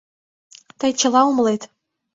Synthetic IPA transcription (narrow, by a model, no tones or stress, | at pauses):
t̪əjt͡ɕə̆lˠɑumlˠet̪